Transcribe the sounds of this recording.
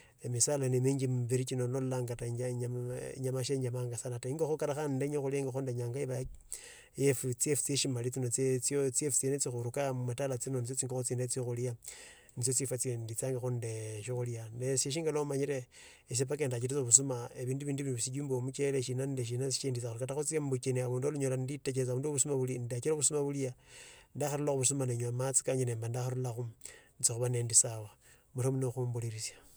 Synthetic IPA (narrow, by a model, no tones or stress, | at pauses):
emisalanemiːɲɡimbiɾit͡ʃinonollaːŋɡataɲaɲaɲamaʃeɲamaŋɡasanataiŋɡaxukaɾaxandeɲoxuljaiŋɡaxondeɲaːŋɡaiβa | jefut͡siefu̥t͡sieʃimalit͡sinot͡set͡sjot͡siefu̥t͡senet͡sixuɾukamumatalat͡sinonit͡sjot͡siŋɡoxot͡siːndet͡soxulija | nit͡sjot͡sifat͡sendit͡saŋɡaxundeʃixuljaneseʃ̬iːŋɡaloumaɲiɾe | es̬ep̬akendat͡ʃ̬iɾit͡soβusumaeβiːnduβiːnduβinisiɟuːmbomut͡ʃeleʃinandeʃ̬inasiʃendit͡saxuɾkataxut͡siembut͡ʃeniaβuːndualuɲolaniditet͡ʃet͡saβuːnduβusumaβulindat͡ʃiɾoβusumaβuljandaxaɾulaxuβusumaneɲuamat͡si̥kaɲineːmbandaxaɾulaxunit͡sixuβane̞ːndisawa | muɾomunoxumbuliɾisjḁ